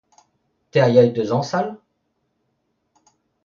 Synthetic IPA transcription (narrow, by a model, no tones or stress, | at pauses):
t̪ɛajad̪əzɑ̃sal